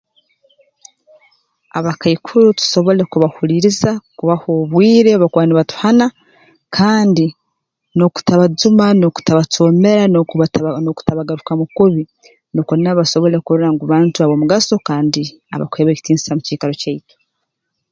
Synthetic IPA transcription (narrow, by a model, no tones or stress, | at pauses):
aβakaikʰuɾutu̥so̞βo̞le̞kuβahuɾiɾizakuβahoβwiːɾe̞βakwaːniβatu̥hana | kʰaːndi | no̞ku̥taβazumanoku̥taβatoːme̞ɾa | noku̥taβaɡaɾukamukuβi | nokoninaβaso̞βo̞le̞kuɾuɾaŋɡuβaːntuaβo̞muɡaso̞kaːndi | a̰βa̰kweːβeci̥tiːnzi̥samuciːkaɾo̞caito̥